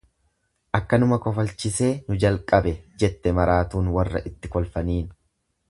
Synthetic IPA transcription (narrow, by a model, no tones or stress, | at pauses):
ʔɐkːɐnʊmɐkɔfɐlt͡ʃɪse̞ːnʊd͡ʒɐlkʼɐbɛd͡ʒɛt̪ːɛmɐɾaːt̪uːnwɐrːɐ̰ʔɪt̪ːɪkɔlfɐniːn